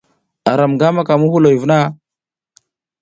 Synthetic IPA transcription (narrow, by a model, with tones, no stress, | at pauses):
a˨ɾa˨mɡa˦ma˦ka˨mu˦hu˦lo˨ji˨vna˦